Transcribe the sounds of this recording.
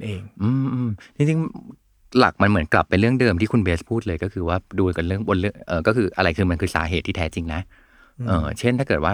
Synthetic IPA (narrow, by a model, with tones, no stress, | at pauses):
ʔeː˧ŋʔɯː˧mʔɯː˧mt̪ʰi˧ŋt͡ɕi˧ŋ | la̰˨˩k̚ma˧nmɯ˩˦ənkla̰˨˩pːa˧jɾɯ˥˩əŋdɤː˧mt̪ʰiː˥˩kʰu˧nbeː˦˥spʰuː˥˩t̪̚lɤː˧jkɔː˥˩kʰɯː˧waː˥˩duː˧ka˧nɾɯ˥˩əŋbo˧nɾɯ˥˩əŋʔɤː˨˩kɔː˥˩kɯː˧ʔa˧ɾa˧jkʰɯː˧ma˧nkʰɯː˧˩sa̰ː˩˦ɦeː˨˩t̪ʰːiː˥˩t̪ʰɛː˦˥t͡ɕi˧ŋna˦˥ʔ | ʔɤː˨˩t͡ɕʰe˥˩nt̪aː˥˩kɤː˨˩t̪̚waː˥˩